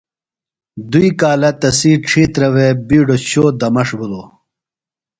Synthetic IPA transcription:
d̪uikaːlɐt̪ɐsiːʈ͡ʂʰiːt̪ɾɐwebiːɖoɕoːd̪ɐmɐʂbulo

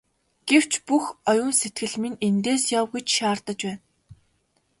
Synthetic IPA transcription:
ɡ̥ew̥t͡ɕpuxɔjʊːnset̪̚ɡɘ̆ɮminent̪eːsjawɣujt͡ɕʃaːrt̪ə̆t͡ɕpæːn

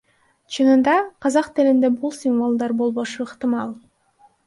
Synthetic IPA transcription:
t͡ʃʰɯnɯnd̪ɑqʰɑzɑqt̪ilind̪ebulˠsʲinvolˠd̪ɑɾbolˠβo̞ʃuɯqt̪ɨmɑlˠ

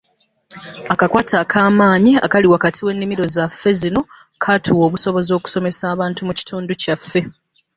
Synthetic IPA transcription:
akakwaːtʰakʰaːmaːɲia̰kaliwakatʰiwe̞nːimiɾo̞zafːe̞zino̞ | kʰatʰuwo̞ːβuso̞βo̞zo̞ːku̥so̞me̞saːβaːntumuci̥tuːnducafːe̞

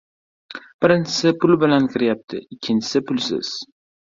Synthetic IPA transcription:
b̥ɪɾɪnt͡ʃʰɪ̥sɪpʰʊlbɪlankʲʰɪɾɪjap̚t̪ʰɪ̰ɪkʲʰːɪnt͡ʃʰɪ̥sɪpʰʊlsɪ̰z̥

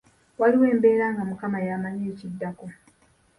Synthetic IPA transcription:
waliwe̞ːmbe̞ːɾaːŋɡamukamajamaɲeːcidːako

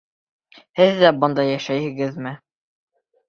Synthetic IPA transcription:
hɘðːæbɤ̆nd̪ɑjæʃæjhɘ̆ɡɘðmɘ

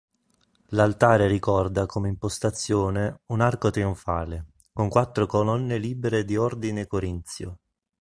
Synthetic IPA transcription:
lalt̪aːɾerikɔrd̪akomeimpost̪at̪sːjoːneunarkot̪ɾioɱfa̰ːle | koŋkwat̪ːɾokolɔnːeliːbeɾed̪iɔrd̪inekoɾint̪sjo̰

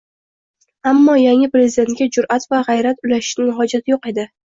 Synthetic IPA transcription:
amːɒjaŋʲɪpɾe̞zid̪e̞nt̪̚kʲad͡ʒʊɾʔat̪vaʁajɾat̪ʊlaʃɪ̥ʃnɪnɦɒd͡ʒat̪ʰɪjoqe̞d̪ɪ

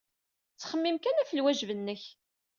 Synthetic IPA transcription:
t͡sːχəmːimkænæfəlwæʒvənːəç

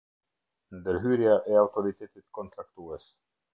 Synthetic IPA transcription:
nd̪əɾɦyːɾjaʔɛawt̪ɔɾit̪ʰeːt̪ɪt̪kʰɔnt̪ɾakt̪uɛs

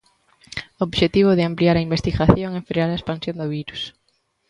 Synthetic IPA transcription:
oβʃet̪iβ̞ʊðɪampliaɾɐimbest̪iɣaθjoŋɛfɾeaɾɐespansjõnd̪ʊβiɾus

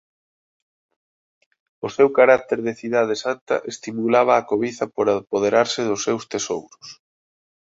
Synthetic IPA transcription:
ʊsewkaɾak̚t̪eɾðeθiðað̞esant̪ɐ̰ʔest̪imulaβ̞ɐːkoβiθɐpoɾapoð̞eɾaɾsɪðʊsːewst̪esowɾʊs

